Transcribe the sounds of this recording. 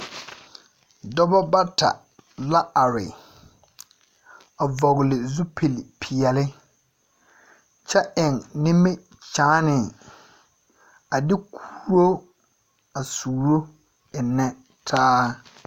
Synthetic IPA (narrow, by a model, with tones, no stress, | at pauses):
dɔ˦bɔ˦ba˦ta̰˨ | la˦a˨ɾɪ̰˨ | a˨vɔ˨ɣɪ˨lɪ˨zu˦pʰe˨li˨pʰi˨jɛ˨lɪ˦ | t͡ʃɛ˦ʔɪ˨ŋnɪ˦mɪ˦ | t͡ʃaː˨˦nɪ˨ | a˨dɪ˦kʰuː˦ɾo˦ | a˨suː˨ɾo˦ | ɪ˨nːɛ˦ | tʰaː˦